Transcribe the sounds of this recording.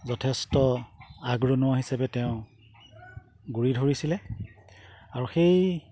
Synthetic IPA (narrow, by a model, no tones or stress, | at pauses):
zɔtʰestɔaɡɹonʊwaɦisabɛtɛʊ̃ | ɡuɹidʱoɹisilɛ | aɹuxej